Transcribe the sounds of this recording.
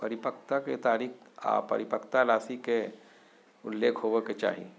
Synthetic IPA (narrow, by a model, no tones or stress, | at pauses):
pɐɾɪpək̚t̪aket̪aːɾiːka̰ːpɐ̰ɾɪpəkt̪alaːsike | ʊlːeːkʰɦoːʋeket͡ʃa̰ːɦḭ